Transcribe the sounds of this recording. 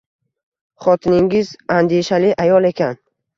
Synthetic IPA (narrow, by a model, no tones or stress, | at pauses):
χɒt̪ʰɪnɪŋɪzand̪eʃalɪʔajɒlˠe̞kʲʰan